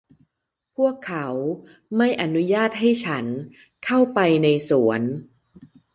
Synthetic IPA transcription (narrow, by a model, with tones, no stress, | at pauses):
pʰu˥˩əkʰːa˦˥w | ma˥˩jʔa˧nu˦˥jaː˥˩t̪̚ɦa˥˩jt͡ɕʰa˦˥n | kʰa˥˩wpa˧jna˧jsu˩˦ən